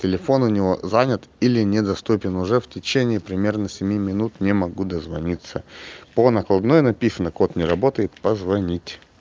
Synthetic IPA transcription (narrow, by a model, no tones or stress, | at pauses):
tʲɪlʲɪfo̞nʊnʲɪvo̞zanʲɪət̪ilʲɪnʲɪd̪ɐst̪upʲɪnʊʐɛftʲɪt͡ɕenʲɪːpɾʲɪmʲe̞rnəsʲɪmʲimʲɪnut̪nʲɪmɐɡud̪əzvɐnʲit̪sːəponəklˠɐb̪nojnɐpʲisənəko̞t̪nʲɪɾɐbo̞t̪əjɪt̪pəzvɐnʲitʲ